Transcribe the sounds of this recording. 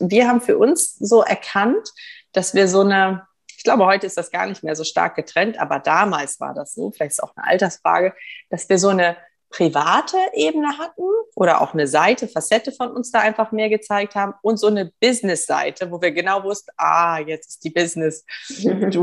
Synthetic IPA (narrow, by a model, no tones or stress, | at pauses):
viːɐɦaːbm̩fyːɐʔʊnszoːʔɛ̰ɐkʰantd̥asv̥iːɐzoːnə | ɪçɡ̥laʊbəhɔʏtəɪstd̥asɡ̥a̰ːɐnɪçtmeːɐzoːʃta̰ːɐk̚ɡ̥ətʁ̥ɛntʔa̰ːbɐdaːmaːlsv̥a̰ːɐdasz̥o̰ːfɪlaɪçtstaʊnə̰ʔa̰ltɐsfʁ̥a̰ːɡəd̥asv̥iːɐzoːnə | pʁ̥ivaːtʰəʔeːbənəɦat̚n̩ʔoːɾɐ̰ʔa̰ʊxnəzaɪtəfasɛtəfɔnʊnsd̥aːʔaɪnfaχmeːɐɡət͡saɪk̚thaːbm̩ʔʊntz̥oːnəb̥ɪznɪsz̥a̰ɪtʰəvoːviːɐɡənaʊvʊstn̩ʔa̰ːjɛt͡sd̥iːbɪznɪs | d̥u